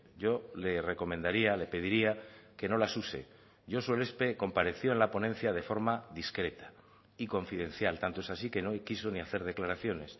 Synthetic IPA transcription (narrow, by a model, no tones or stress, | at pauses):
ɟ͡ʝo̞le̞re̞ko̞mẽnd̪aɾiale̞pe̞ð̞iɾiake̞no̞lasuse̞̰ | ɟ͡ʝo̞suele̞spe̞ko̞mpaɾe̞θjo̞e̞nlapo̞nen̟θjað̞e̞fo̞ɾmaðiskɾe̞t̪ḁ | iko̞ɱfiðẽ̞nθjalt̪ant̪oe̞sasike̞nokiso̞niaθe̞ɾð̞e̞klaɾaθjo̞ne̞s